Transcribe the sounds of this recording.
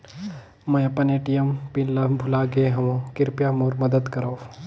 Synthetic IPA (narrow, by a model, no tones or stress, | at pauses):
mɐjɐpɐneːʈijəmpinlɐbʱʊlaːɡeɦɐʋõkɪɾpjamoːɾmɐd̪əd̪kɐɾoː